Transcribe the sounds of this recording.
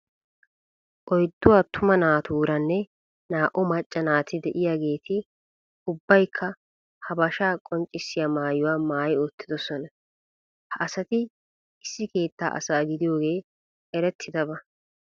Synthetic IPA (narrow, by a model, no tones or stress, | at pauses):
ʔɔjd̪ːʊwaːt̪ʰʊmɐnaːt̪uːɾɐnːɛ | naːʔɔmɐt͡ʃʼːɐnaːt̪ɪd̪ɛʔɪjaːɡe̞ːt̪ʰɪ | ʊbːɐjkʰːɐ | hɐbɐʃaːkʼɔnt͡ʃʼːɪsːɪjaːmaːjʊwaːmaːjot̪ːɪd̪ɔsɔnɐ | hɐʔɐsɐt̪ɪ | ɪsːɪke̞ːt̪ːa̰ːʔɐ̰saːɡɪd̪ɪjo̞ːɡe̞ː | ɛɾɛt̪ʰːɪd̪ɐbɐ